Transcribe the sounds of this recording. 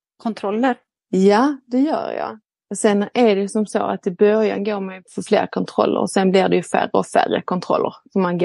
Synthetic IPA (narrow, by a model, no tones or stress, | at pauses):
kʰɔnt̪ʰɾɔlːəɾ | jad̪ɛjœ̰ːɾjɑ̰ | ɔsɛnːæɾɖɛjsɔmsoːat̪ɪbœɾja̰nɡoːɾmɛjfɔɾflḛːɾkʰɔnt̪ʰɾɔlːə̰ɾɔsɛnblɪɖɛjɵfæ̰rəɔfærəkʰɔnt̪ʰɾɔlːəɾsɔmːanɡo